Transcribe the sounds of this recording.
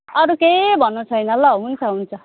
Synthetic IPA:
ʌɾukebʱʌnut͡sʰʌjnʌlːʌɦunt͡sʰʌɦunt͡sʰʌ

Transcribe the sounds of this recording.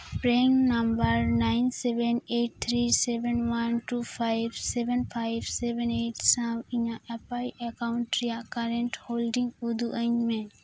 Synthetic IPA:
pɾeŋnambəɾnajnsɛbɛneʈ̚t̪ʰɾisɛbɛnwanʈupʰajbsɛbɛnpʰajbsɛbɛneʈsãmiɲaʔɛpajɛkawɳʈɾijaʔkaɾɛɳʈholɖĩŋɡud̪ʱuʔəɲmẽ

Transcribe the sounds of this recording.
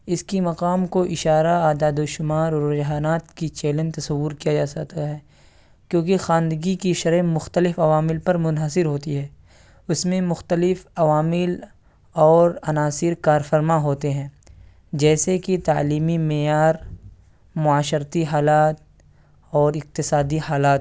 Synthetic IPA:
ɪskimɐqaːmkoʔɪʃaːɾaaːd̪aːd̪oːʃʊmaːɾɔɾɾd͡ʒɦaːnaːt̪kit͡ʃeːlə̃nt̪ɐsɐʋːʊɾkijad͡ʒaːsɐkt̪aɦɛː | kjõːkixãːnd̪əɡikiʃɐɾɛ̃mʊxt̪əlɪfɐʋaːmɪlpɐɾmʊnɦəsɪɾɦoːt̪iɦɛ̃ː | ʊsmẽmʊxt̪əlɪfɐʋaːmɪl | ɔːɾɐnaːsɪɾkaːɾfəɾmaɦoːt̪eɦɛ̃ː | d͡ʒɛːsekit̪a̰ːliːmimɛjaːɾ | mʊaːʃəɾt̪iɦaːlaːt̪̚ | ɔːɾɪq̚t̪ɪsaːd̪iɦaːlaːt̪

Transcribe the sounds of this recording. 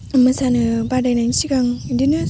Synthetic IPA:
mɯsanɯbadajnansiɡaŋdinɯ

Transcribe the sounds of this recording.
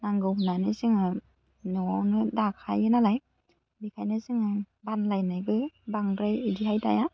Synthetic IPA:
naŋɡɯwhunanɯsɯŋɯ | nɯwawnɯdakʰa̰jɯnalaj | bikʰajnɯsɯŋɯ | banlajnajbɯbaŋbɾajidihajta̰ja

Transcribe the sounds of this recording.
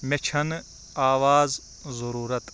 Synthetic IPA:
met͡ʃʰɐn | aːʋaːz | zɐɾuːɾɐt̪

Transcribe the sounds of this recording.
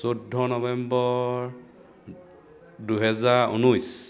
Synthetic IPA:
sodʱːɔnɔbɛmbɔɹ | duɦɛzaɹṵnujs

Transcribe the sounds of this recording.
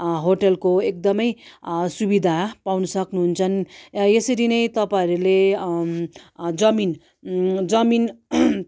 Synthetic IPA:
ɦoʈʌlkoek̚d̪ʌmʌjsubid̪ʱapawnʌsʌknuɦunt͡sʰʌnesʌɾinʌjt̪ʌpãʌɾule | d͡zʌmin | d͡zʌmin

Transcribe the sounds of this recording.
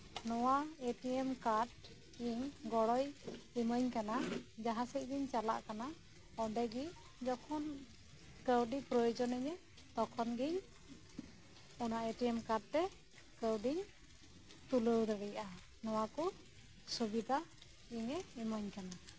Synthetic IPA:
nɔwaeʈiɛmkaʈ | iɲɡɔɽɔjiməɲkanad͡ʒaɦasic̚ɡiɲt͡ʃala̰ʔkana | ɔdɛɡi | d͡ʒɔkʰɔn | kəwɖipɾɔjɔd͡ʒɔnɛɲɛ | t̪ɔkʰɔnɡiɲ | ɔnaʔeʈiɛmkaʈ̚t̪ɛ | kəwɖiɲ | t̪uləwd̪aɽijaʔa | nɔwakɔ | subid̪ʱa | iɲɛimɔɲkana

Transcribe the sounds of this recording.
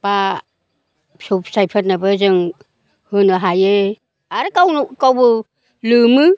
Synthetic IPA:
b̥a | supsajpʰat̚nabɯzɯŋ | hɯnɯɦaje | aɾɯkawnukawbɯ | lɯmɯ

